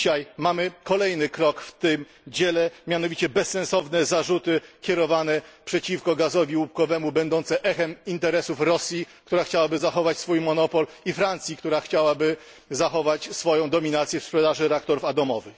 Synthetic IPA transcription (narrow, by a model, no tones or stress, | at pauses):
ɕajmamɘkɔlɛjnɘkɾɔkft̪ɘm | d͡ʑɛlɛmʲjan̪ɔvʲit͡ɕɛbɛsːɛnsɔvnɛzaʐut̪ɘkʲɛɾɔvanɛpʂɛt͡ɕifkɔɡazɔvʲiwup̚kɔvɛmubɛnd̪ɔnt̪sɛʔɛxɛmint̪ɛɾɛsufɾɔsʲjik̚t̪uɾaxt͡ɕawabɘzaxɔvat͡ɕsfujmɔnɔpɔlifɾant̪sʲjikt̪uɾaxt͡ɕawabɘ | zaxɔvat͡ɕsfɔjɔ̃w̃d̪ɔmʲinat̪sʲjɛfspʂɛd̪aʐɘɾɛak̚t̪ɔɾufat̪ɔmɔvɘx